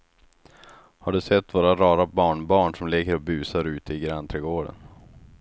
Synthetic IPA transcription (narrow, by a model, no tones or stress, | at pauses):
haɖɵsɛt̪ːvoːɾaɾɑːɾabɑːɳbɑːɳʂɔmlɛɡəɾɔbʉ̟ːsaɾʉ̟ːt̪əɪɡɾant̪ʰɾɛːɡoːɖə̰n